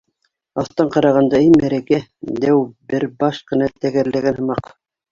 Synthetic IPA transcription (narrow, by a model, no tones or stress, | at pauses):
ɑθt̪ɑɴqɑɾɑʁɑnd̪ɑimæɾækæd̪æwbɘɾbɑʃqɤ̆nɑt̪æɡæɾlæɡænhɤ̆mɑq